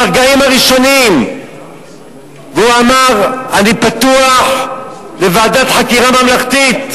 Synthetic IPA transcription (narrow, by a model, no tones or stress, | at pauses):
aʁɡaimaʁiʃo̞nim | veuamaʁanipat̪uaħ | levaːd̪at̪ħakiʁamamlaχt̪it̪